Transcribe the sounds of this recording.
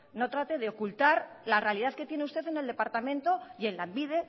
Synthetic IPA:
no̞t̪ɾat̪e̞ðe̞okult̪aɾ | larealiðaðke̞t̪je̞neust̪e̞θe̞ne̞ld̪e̞paɾt̪amẽ̞nt̪o̞je̞nlaembiðe̞

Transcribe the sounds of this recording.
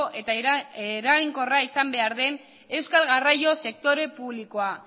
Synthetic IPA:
ʔe̞t̪aɾaɣiŋko̞raisambe̞aɾðe̞n | e̞wskalɣarajo̞se̞k̚t̪o̞ɾe̞puβliko̞a

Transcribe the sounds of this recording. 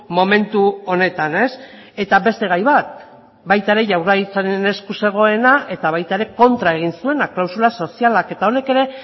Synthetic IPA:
mo̞me̞nt̪uo̞ne̞t̪ane̞s | e̞t̪abe̞st̪e̞ɣ̞ajβat̪̚ | bajt̪aeɾe̞ʝawɾðaɣit͡saɾene̞skuse̞ɣ̞o̞e̞naʔe̞t̪aβ̞ajt̪ae̞ɾe̞ko̞nt̪ɾae̞ɣ̞insue̞naklawsulaso̞sialake̞t̪ao̞ne̞ke̞ɾe̞

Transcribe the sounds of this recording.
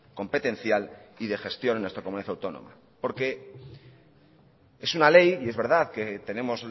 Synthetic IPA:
ko̞mpe̞t̪ẽ̞n̟θjaliðe̞xe̞st̪jo̞nenːwest̪ɾakomuniaθawt̪o̞no̰ma̰ | po̞ɾke̞ | e̞sunale̞jie̞zβe̞ɾð̞aðke̞t̪e̞ne̞mo̞z

